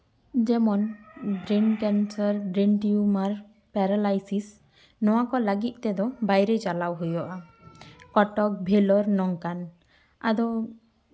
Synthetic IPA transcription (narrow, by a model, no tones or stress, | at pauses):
d͡ʒɛmɔnbɾinkɛnsɔɾbɾinʈiumaɾ | pɛɾalajsis | nɔwakɔləɡit̪̚ˀt̪ɛd̪ɔbajɾet͡ʃalawɦujɔʔa | kɔʈɔk̚bʱelɔɾnɔŋkan | a̰d̪ɔ